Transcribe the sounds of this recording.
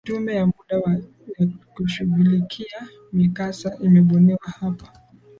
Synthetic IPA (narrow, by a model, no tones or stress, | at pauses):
tumbɛjamuɗawa | jakuʃuɣulikʰia | mikasaʔimɛɓɔnɛwahapḁ